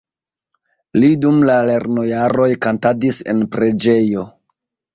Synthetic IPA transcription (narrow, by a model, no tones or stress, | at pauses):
lidumlale̞ɾno̞jaɾo̞jkantadise̞̰npɾe̞d͡ʒe̞jo̞